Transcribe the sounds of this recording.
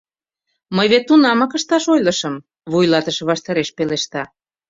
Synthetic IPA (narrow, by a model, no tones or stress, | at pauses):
məjβet̪ːunɑmɑkə̆ʃt̪ɑʃojləʃəm | βujlɑt̪əʃɤβɑʃt̪ɑɾeʃpeleʃt̪ɑ